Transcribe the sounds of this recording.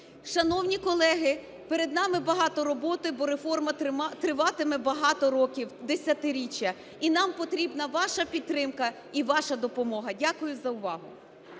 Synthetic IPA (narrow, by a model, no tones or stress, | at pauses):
ʃɐnɔwnʲikɔlˠɛɦɪ | peɾed̪nɑmɪbɐɦɑt̪ɔɾɔbɔt̪ɪbɔɾefɔrmɐt̪ɾɪʋɑt̪ɪmɛbɐɦɑt̪ɔɾɔkʲiwd̪esʲɐt̪ɪɾʲit͡ʃʲːɐ | inɑmpɔt̪ɾʲibnɐʋɑʃɐpʲit̪ːɾɪmkɐ | iʋɑʃɐd̪ɔpɔmɔɦɐdʲakʊjʊzɐʊʋɑɦʊ̰